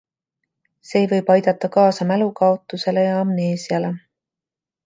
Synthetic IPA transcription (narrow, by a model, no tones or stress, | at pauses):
se̞ːjvɤjb̥ɑjd̪̥ɑt̪ːˑɑkɑːsɑmælukɑo̞t̪ːˑuse̞le̞jɑɑmne̞ːsiɑle̞